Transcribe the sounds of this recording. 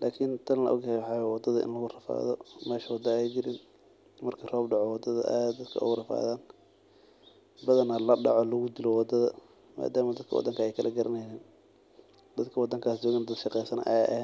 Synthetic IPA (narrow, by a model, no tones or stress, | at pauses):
lʔaːkʰɪnt̪ʰɐnlɐʔɔ̰ɡjɛhjwɑħɑːwɛwɑd̪ɐðɐʔɪ̰nlɐɣʊrɐfa̰ːðɔmɛːʃɐwɑd̪ɐɛjd͡ʒɪɾɪn | mɐrkʰɐrɔːbɖɑʕɔwɑd̪ɐðɐ̰ʔaːd̪ɐd̪kʰɐʊ̰ɣʊrɐfa̰ːðaːn | bɐðɐnɐlɐɖɑʕɔlɐɣʊd̪ɪlɔwɑd̪ɐðɐ | ma̰ːd̪aːmɐd̪ɐd̪kʰɐwɑ̰d̪ɐŋkʰɐɛjkʰɐlʔɐɡɐɾɐnɛnɛːn | d̪̥ɐd̪kʰɐwɑd̪ːɐŋkʰaːsd͡ʒɔːɣnɐd̪ɐd̪ʃɑqɛjsɐnʔɐ̰jʔɛ